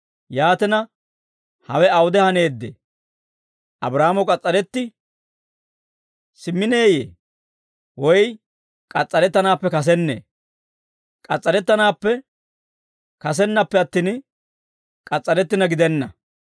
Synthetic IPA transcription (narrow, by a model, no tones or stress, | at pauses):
jaːt̪ɛnɐ | hɐ̰wɛɐwʊd̪ɛhɐne̞ːd̪ːḛː | ʔɐbɾaːmɔkʼɐt͡sʼːɐɾɛt̪ːɪ | sɪmːɪne̞ːjḛː | wɔj | kʼɐt͡sʼːɐɾɛt̪ːɐnaːpːɛkɐs̬ɛnːḛː | kʼɐt͡sʼːɐɾɛt̪ːɐnaːpːɛ | kɐs̬ɛnːɐpːɛɐt̪ːiːn | kʼɐt͡sʼːɐɾɛt̪ːɪnɐɡɪd̪ɛnːɐ